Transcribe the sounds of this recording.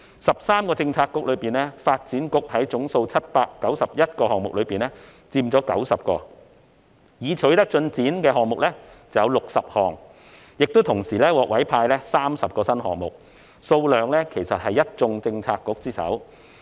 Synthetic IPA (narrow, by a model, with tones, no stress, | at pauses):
sɐ˨p̚saː˥mkɔː˧t͡sɪ˧ŋt͡sʰaː˧kːʊ˥k̚lɵ˨˧ɥpiː˨˩nlɛː˥faː˧t̚t͡siː˨˥nkʊ˥k̚hɐ˨˥jt͡sʊ˨˥ŋso˧wt͡sʰɐ˥t̚paː˧kːɐ˨˥wsɐ˨p̚jɐ˥t̚kɔː˧hɔː˨˩ŋmʊ˨k̚lɵ˨˧piː˨nɛ˥ | t͡siː˧mt͡sɔː˨˥kɐ̰˨˥wsɐ˨p̚kɔː˧ | jiː˨˧t͡ʃʰɵ˨˥ɥt̪ɐ˥k̚t͡ʃɵ˧nt͡siː˨˥nkɛː˧ɦɔː˨ŋmʊ˨k̚lɛː˥t͡sɐ˨wjɐ˧wlʊ˨k̚sɐ˨p̚hɔː˨˩ŋ | jɪ˨k̚t̪o˥wt̪ʰʊ˨˩ŋsiː˨˩lɛː˥wɔː˨k̚wɐ˨˥jpʰaː˧jlɛː˥saː˥msɐ˨p̚kɔː˧sɐ˥nɦɔ̰ː˨˩ŋmʊ˨k̚ | so˧wlœː˨˩ŋlɛː˥kʰe˨˩jsɐ˨t̚hɐ˨jːɐ˥t̚t͡sʊ˧ŋt͡sɪ˧ŋt͡sʰaː˧kːʊ˥k̚t͡siː˥sɐ̰˨˥w